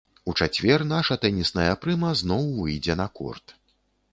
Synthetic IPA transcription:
ut͡ʂat͡sʲvʲɛrnaʂɐt̪ɛnʲisnɐjɐpɾɨmɐznɔwvɨjd͡zʲɛnɐkɔ̰rt̪

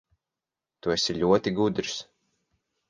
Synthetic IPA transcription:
t̪uesiʎʲuɔt̪iɡud̪ɾs

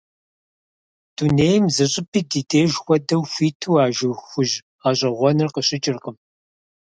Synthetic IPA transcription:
d̥uneːjmzɨɕʼɪpʰiːdiːdeːʒxʷɔdɐwxʷiːtʰuwaːʒɨwxʷʊʒ | aːɕʼɐʁʷɔnɨrqəɕʼɪt͡ʃʼɪrqəm

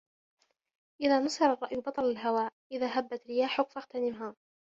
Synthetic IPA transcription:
ʔɪðaːnɑsɑɾˤɑrˤːɑʔjbɑt̪ˤɑlalɦawaːʔʔɪðaːɦabːat̪ɾɪjaːħʊkfaɣt̪anɪmɦaː

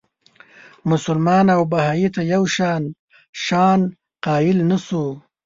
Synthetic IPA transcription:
mʊsʊlmɑnawbahɑjit̪ajawʃɑn | ʃɑːn | qɑːɪlnasu

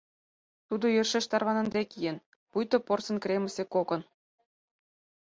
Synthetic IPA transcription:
t̪ud̪ojørʃĕʃt̪ɑrβɑnɤ̆nd̪ekijen | pujt̪oporsɤ̆nkrʲemə̆sekokɤ̆n

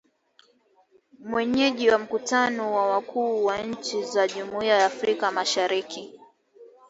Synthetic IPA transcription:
mwɛɲɛʄiwam̩kutanɔwawakʰuːwaɲ̩t͡ʃizaʄumuiajaːfɾikamaʃaɾiki

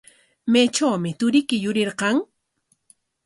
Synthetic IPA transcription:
mejt͡ʃawmɪt̪ʊɾɪkɪjʊɾɪɾqɑŋ

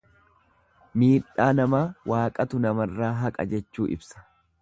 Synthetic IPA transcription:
miːᶑːaːnɐmaːwʔaːkʼɐt̪ʊnɐmɐrːaːɦɐkʼɐ̰d͡ʒɛt͡ʃːuːʔɪ̰bsɐ̥

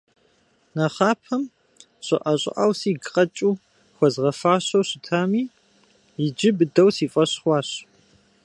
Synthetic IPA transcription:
nɐχaːpʰɐm | ɕɪ̰ʔɐɕʼɪ̰ʔa̰ːwsiːɡqʼɐt͡ʃʼuː | xʷɔzʁɐfaːɕɐwɕɪtʰaːmiː | jɪd͡ʒɪbɨdɐwsiːfʼɐɕχʷɑːɕ

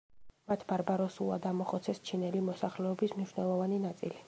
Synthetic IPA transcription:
mat̪ʰbaɾbaɾɔsulˠa̰d̪amɔχɔt̪sʰɛst͡ʃʰinɛlimɔsaχlɛɔbismniʃnɛlˠɔvaninat̪sʼḭli

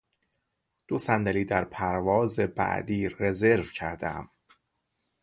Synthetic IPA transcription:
d̪̥osænd̪æliːd̪æɾpʰæɾvɒːze̞bæ̰ʔd̪iːɾe̞ze̞ɾvcʰæɾd̪æ̰m

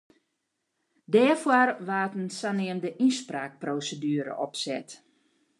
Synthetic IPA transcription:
dɛːfwarʋaːtənsanɪəmdəʔispraːk̚proːsədyːəɾə̰ʔɔpsɛt

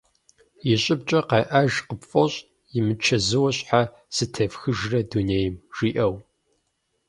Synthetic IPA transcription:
jɪɕʼɪbt͡ʃʼɐqɑjʔaʒqəpfʼoɕʼ | jɪmɨt͡ʃʰɐzɨwɐɕʼħa | sɨtʰɐfxɨʒrɐduneːjɪmʒ̥iːʔɐw

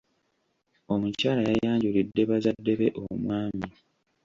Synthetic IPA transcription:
o̞mucaːlajajaːɲɟulidːe̞βazadːe̞βe̞ʔomwaːmi

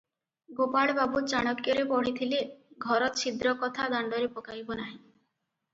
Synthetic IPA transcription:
ɡopaɭbabut͡ʃaɽ̃ɔkjɔɾepɔɽ̤it̪ʰileɡʱɔɾɔt̪sʰid̪ɾɔkɔt̪ʰad̪aɳɖɔɾepɔkajbɔnaɦĩ

